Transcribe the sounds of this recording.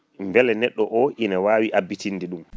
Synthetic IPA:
mbɛlɛnɛɗːɔʔɔʔinawaːwiʔabːitinːdɛɗum

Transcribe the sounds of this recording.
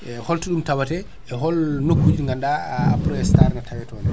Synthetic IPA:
ʔɛhɔltiɗumtawatɛ | ɛɦɔlnokːud͡ʒiŋɡandapɾɔɛstaɾŋɡatʰawɛtɔnɛ

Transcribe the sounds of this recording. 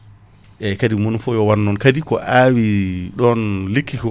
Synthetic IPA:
ʔɛkadimunfɔjɔwanːɔnkadikɔ̰ʔawiɗɔnlikʰːikɔ

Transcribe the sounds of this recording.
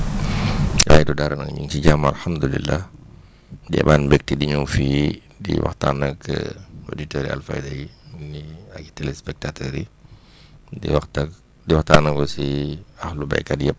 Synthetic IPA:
waːjdudaɾɐnɐ̰ŋɲṵŋt͡ʃiɟamalħamd̪ulḭlːah | diɛ̰baːnbɛk̚tidiɲɔfiː | dḭwɐ̰xta̰ːnɐkə̰o̰ditoɾia̰lfa̰jdajiniaɡi̥tɛlɛspɛk̚tatɔɾi | dḭwaxtɐk | diwɐxtaːnɐkɔsiahluba̰jkadjɐp̚

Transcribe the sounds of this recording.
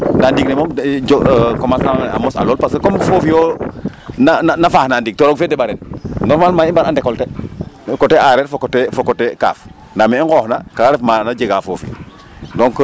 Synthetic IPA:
ndaːndiɡ̚nemomd͡ʒɔkɔmansana̰mɔsa̰lɔːlpaskekomfofijo | nananafaːhnandiɡ̚toɾoɡfedeɓaɾɛnnɔɾmalmaːimbaɾandɛkɔltekɔteʔaɾɛːɾfokotefokɔteka̰ːf | ndameiŋɡɔːhnakaɾefmanad͡ʒeɡafo̰ːfḭ | dɔŋk

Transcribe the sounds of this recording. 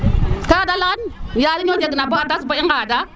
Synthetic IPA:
kaadalaɣanjaɾiod͡ʒeɡənaboatasbaiŋɡada

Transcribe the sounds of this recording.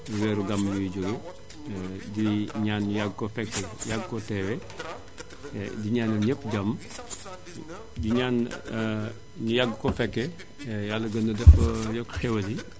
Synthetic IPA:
uwɛːɾuɡɐmjujɟoɡe | diɲaːnɲujaɡkɔfɛkːɛjaɡkɔtɛːwɛ | diɲaːnɐɲəpːɟɐm | diɲaːn | ɲujaɡkɔfɛkːɛ | jalːɐɡɐndɐdɛfɐjɔkxɛwɐli

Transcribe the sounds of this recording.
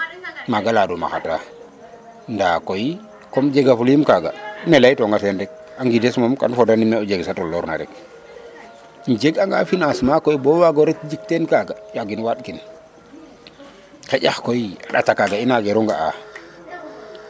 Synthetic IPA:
maɡaladuma̰xata̰ | ndakoji | kɔmd͡ʒeɡafulimkaɡanelajtɔŋɡatendɛk̚ | aŋɡidesmomka̰nfodanimeɔɟeɡsatɔlɔɾna̰ɾɛ̰k | d͡ʒeɡaŋɡa̰finasmakoibɔwaɡɔɾekd͡ʒik̚tenkaɡajaɡinwat̚kin | keɟaxkoiaɗa̰takaɡainaɡeɾuŋɡaa̰

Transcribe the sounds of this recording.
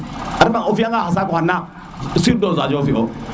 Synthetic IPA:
aɾivaofiaŋaasakuana | siɾdozad͡ʒfio

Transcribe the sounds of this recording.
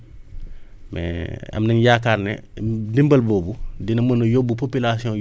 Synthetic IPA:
mɛ̰ɐ̰mnɐɲjakaːrnɛ̰dimbɐlbɔːbudinɐmənujobupopilasiɔ̃

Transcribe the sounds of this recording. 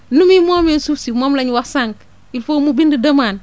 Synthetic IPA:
numimoːmensufsimomlaɲwasaŋk | ilfomubindidɐmaːn

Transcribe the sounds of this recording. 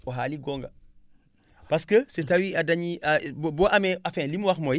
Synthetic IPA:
oɦaːliɡɔːŋɡɐ | pɐskəsetɐwiɐdɐɲiʔabɔʔɐmɛʔɐfɛ̃ːlimwɐxmɔj

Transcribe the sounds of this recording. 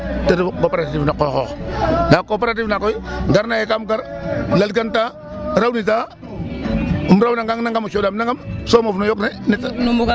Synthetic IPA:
teɾkopaɾatiːvnakoxɔxnakopeɾat̬ivnakɔjŋɡaɾnajekamɡaɾlalɡanta | ɾawnit̬a | umɾawnaŋɡaŋnaŋɡamuʃodamnaŋɡamsomafnojoknenita

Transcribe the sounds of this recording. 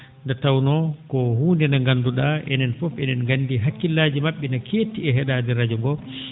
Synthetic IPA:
ndatawnɔkɔhuːndɛnaŋɡanːduɗaʔɛ̰nɛnfɔfɛnɛnɡanːdiɦakːilːaːd͡ʒimaɓːɛnakʰeːtːiɛɦɛɗadɛɾad͡ʒɔŋɡɔ

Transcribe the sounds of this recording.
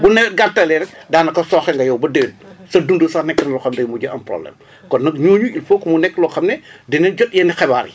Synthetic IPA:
bunɛwɛt̚ɡatːɐlɛɾɛk̚daːnɐkɐsɔːxɛŋɡɐjɔwbɐdeːd̚sɐdundəsanɛkːɐnɐlɔxɐmdɐjmuɟɐʔɐmprɔ̰blɛ̰m | kɔnːɐk̚ɲoːɲuilfokːmunɛkːlɔxɐmnɛdinɛnɟɔtjɛnixɛbaːɾḭ

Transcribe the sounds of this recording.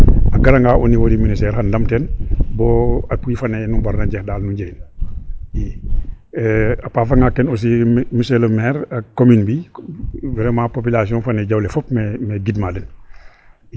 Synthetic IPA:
aɡaɾaŋɡaːʔoniwodiministeɾhanlamtenbɔːapujifanenumbaɾnaɟehdaːlnuɟen | i | apafaŋakenus̬imiselomɛːɾakominbi | vɛɾemapop̬ilasiɔ̃nfaneɟawlefopmemeɡidmalen

